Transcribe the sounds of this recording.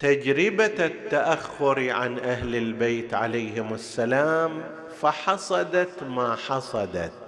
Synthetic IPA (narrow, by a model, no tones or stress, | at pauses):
t̪ad͡ʒɾɪbat̪ːaʔaxːʊɾʕa̰nʔahlɪlbeːt̪ʕalajhɪmɪsːalaːm | faħɑsˤɑd̪ɑt̪maːħɑsˤɑd̪ɑ̰t̪